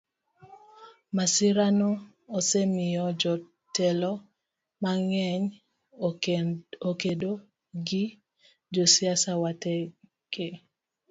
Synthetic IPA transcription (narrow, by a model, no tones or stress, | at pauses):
masɪɾanɔː | semɪjɔd͡ʒɔ | tɛlɔ | maŋɛɲ | okedo | ɡi | d͡ʒosiasawatɛ | ke